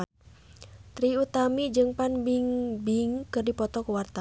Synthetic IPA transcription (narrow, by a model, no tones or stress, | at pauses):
t̪ɾiut̪amid͡ʒɨŋpanbiŋbiŋkɨrdipɔt̪ɔkuwart̪a